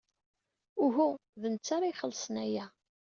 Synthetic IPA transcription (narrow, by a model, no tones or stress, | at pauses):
ʊɦuðənt͡sːaɾˤajχəlsənæjæ